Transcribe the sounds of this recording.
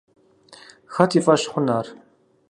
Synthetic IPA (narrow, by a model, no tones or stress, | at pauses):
xɐt̪ʰifʼɐʃχʷʊnaːr